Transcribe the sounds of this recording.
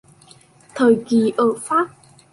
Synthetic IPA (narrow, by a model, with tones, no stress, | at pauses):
t̪ʰəː˨˩jki˨˩ʔəː˧˩faː˦˥p̚